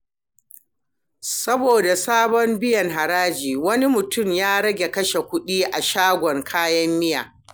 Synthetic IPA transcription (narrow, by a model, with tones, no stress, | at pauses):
sɐ˦boː˨da˨saː˦bɔ˦mbɪ˦jɐ˨ŋɦa˨ɾaː˦d͡ʒiː˨wɐ˦ni˦mʊ˨tʊ˦˨mjaː˦ɽɐ˦ɡʲe˨kɐ˦ʃe˨kʷʊ˦ɗiː˦ʔa˨ʃaː˦ɡʷɔ˨ŋkʰaː˦jɐ˦mːɪ˦ja̰ː˨